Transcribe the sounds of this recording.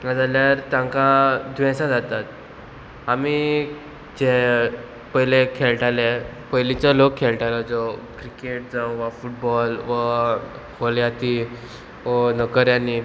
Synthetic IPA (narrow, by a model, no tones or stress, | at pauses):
nad͡zaljaɾt̪jãŋkad̪ʋẽsad͡zat̪at̪̚ | ami | d͡ʑe | pəjlekʰelʈalepəjlit͡səlokʰːelʈalad͡zɔkɾikeʈ̚d͡zãw̃ʋafuʈ̚bɔlʋə | holjat̪i | ʋənəkəɾjani